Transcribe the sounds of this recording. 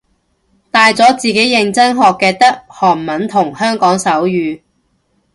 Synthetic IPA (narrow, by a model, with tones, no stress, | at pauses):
t̪aː˨jt͡sɔː˨˥t͡siː˨ke˨˥jɪ˨˧ŋt͡sɐ˥ŋɦɔː˨kːɛː˧t̪ɐ˥k̚hɔː˨˩ŋmɐ˨˥nt̪ʰʊ˨˩ŋhœː˥ŋkɔː˨˥ŋsɐ˨˥wjyː˨˧